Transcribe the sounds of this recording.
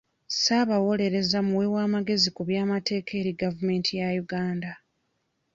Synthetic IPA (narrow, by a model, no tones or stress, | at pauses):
saβawo̞le̞ɾe̞zamuwewaːmaɡe̞zikuβjaːmate̞ːkʰe̞ːɾiɡavume̞ːntʰijajuɡaːnda